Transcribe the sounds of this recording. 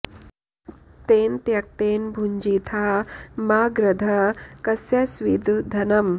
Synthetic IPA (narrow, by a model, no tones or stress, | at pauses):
t̪eːnt̪jɐk̚t̪eːnbʱuɲd͡ʒit̪ʰaːmaːɡɾɐd̪ʱɐkɐsjɐsʋid̪ʱd̪ʱɐnɐm